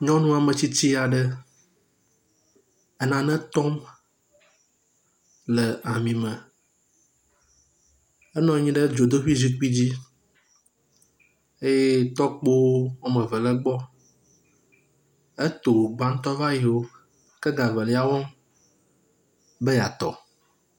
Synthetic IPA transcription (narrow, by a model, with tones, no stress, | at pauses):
ɲɔ̃˦nũ˦a˨mɛ̃˨t͡ɕi˦t͡ɕi˦a˨ɖɛ˦ | ɛ˦nã˨nɛ̃˦t̪ɔ˦m | lɛ˨a˨mĩ˨mɛ̃˨ | ɛ˦nɔ̃˨˦ɲĩ˦ɖɛ˦d͡ʒo˨d̪o˦ɸi˦zi˦k͡pi˦d͡ʑi˦ | e˦je˦t̪ɔ˦k͡po˦wwo˦mə̃˨vɛ˨lɛ˦ɡ͡bɔ˦ | e˦t̪o˨ɡ͡bã˦ŋ̩˦t̪ɔ˦va˦ji˨wo˦ | kɛ˦ɡa˨və˨lɛ˨˦a˨wɔ˦m | bɛ˦ja˨t̪ɔ˨